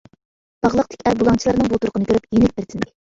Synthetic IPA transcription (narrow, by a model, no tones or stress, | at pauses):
b̥ɑʁlˠəqt̪ɪ̥kʲæɾbulˠɑŋt͡ʃʰilˠɑɾnɨŋbut̪uɾqənɨkʲøɾyp̚jenɪk̚ʲbeɾt̪ʰɪn